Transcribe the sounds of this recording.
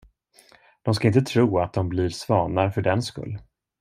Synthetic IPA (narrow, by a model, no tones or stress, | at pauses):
d̪̥ɔms̬kaɪnt̪ət̪ʰɾuːat̪̚d̪ɔmblɪɾsvɑːnaɾfœɖɛnskɵ̰lː